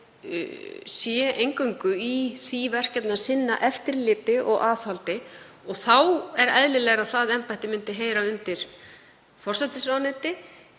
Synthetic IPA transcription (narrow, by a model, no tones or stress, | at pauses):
sjɛejŋkœɥŋkʏiθivɛr̥kɛt̪nasɪnːa̰ʔɛft̪ɪɾlɪːt̪ɪʔɔɣʔaːθhalt̪ɪ | ɔɣθawɛɾa̰ðlɪlɛɣɾaðθaðɛmpajht̪ɪmʏnt̪ɪɦeːjɾaʏnt̪ɪɾ̥ | fɔr̥sat̪ɪsvanɛːt̪ɪ